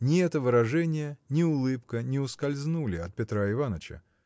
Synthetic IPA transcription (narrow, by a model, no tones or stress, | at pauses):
nʲɪɛt̪əvɨɾɐʐɛnʲɪjənʲɪʊlˠɨpkənʲɪʊskɐlʲznulʲɪɐt̪̚pʲɪt̪ɾaɪvanət͡ɕə̰